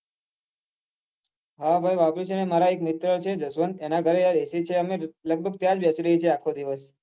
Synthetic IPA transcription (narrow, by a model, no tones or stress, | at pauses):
ɦabʱajʋapɾit͡ʃənemaɾaekmɪt̪ɾət͡ʃʰed͡ʒəsʋənd̪enaɡʱəɾead̪esit͡ʃʰeəmeləɡ̚bʱəɡ̚t̪jãd͡ʒbʱjat͡ʃiɾəɦit͡ʃʰeakʰod̪iʋəs